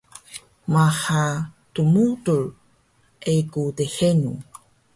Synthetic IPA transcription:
maha | tumutul | ʔekudehenu

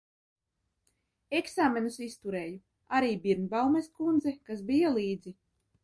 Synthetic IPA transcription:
eksaːmʲenusist̪uɾeːju | aɾiːbiɾnbawmɛskund̪zɛkasbijɔlˠiːd̪zi

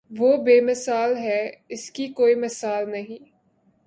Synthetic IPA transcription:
ʋoːbeːmɪsaːlɦɛːɪskikoːimɪsaːlnɐɦĩː

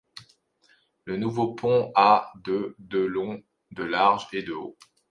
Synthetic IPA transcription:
lənuvopʰɔ̃ad̪əd̪əlɔ̃ | d̪əlaʁʒed̪əo

